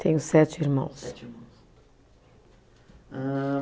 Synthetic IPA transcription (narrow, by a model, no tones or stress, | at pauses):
t̪ʰẽɲʊsɛt̪iɾmɐ̰̃w̃s